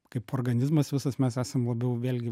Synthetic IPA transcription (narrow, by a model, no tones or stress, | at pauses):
kɐɪpoːrɡɐnʲɪzmɐsʋʲɪsɐsmʲɛsæːsɐmlˠɐbʲɛʊʋʲeːlʲɡʲɪ